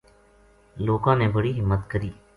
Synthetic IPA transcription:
loːkãːnebəɽiɦɪmːət̪kəɾiː

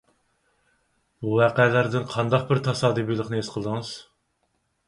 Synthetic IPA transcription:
buwæːqælæɾd̪ɪnqʰɑnd̪ɑq̚bɪɾt̪ʰɑsɑːd̪ibijlˠəχnɨesqʰəlˠd̪ɨŋɨz̥

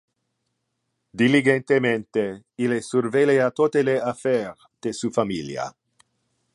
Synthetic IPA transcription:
d̪iliɡent̪emẽnt̪eilesurveleat̪ot̪eleafɛɾ | d̪̥esufamilj̰a̰

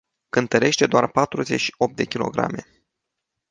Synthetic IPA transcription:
kɨnt̪əɾe̞ʃt̪e̞d̪oarpat̪ɾuze̞t͡ʃʃi̥o̞p̚t̪d̪e̞kʲilo̞̰ɡɾa̰me̞

